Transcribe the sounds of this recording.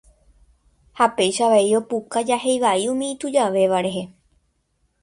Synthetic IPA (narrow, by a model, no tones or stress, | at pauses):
hape̞jʃaʋaeio̞pukad͡ʒahe̞jʋaiũmĩĩt̪ud͡ʒaʋe̞ʋaɾe̞ɦe̞